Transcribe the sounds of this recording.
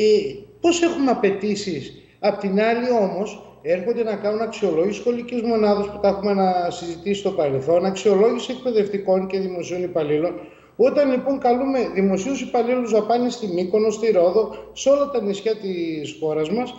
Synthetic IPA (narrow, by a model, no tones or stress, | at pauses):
epo̞se̞xumeɐpe̞t̪isis | ɐpot̪inɐlio̞mo̞s | e̞ɾxond̪e̞nɐkɐnunɐksio̞lo̞ʝisi̥sxo̞licizmo̞nɐðɐsput̪ɐexumenɐsizit̪isist̪opɐɾelθo̞nɐksio̞lo̞ʝisie̞k̚pe̞ðe̞ft̪iko̞nce̞ðimo̞sio̞nipɐlilo̞n | o̞t̪ɐnlipo̞ŋkɐlume̞ðimo̞siusipɐliluzðɐpɐnist̪imiko̞no̞st̪iɾo̞ðo̞seo̞lɐt̪ɐnisçɐt̪isxo̞ɾɐzmɐs